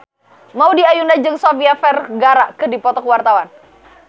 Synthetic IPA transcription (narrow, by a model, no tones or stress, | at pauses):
maudiajunad͡ʒɨŋsofiafɛrɡaɾaʔkədipɔt̪ɔkəwart̪awan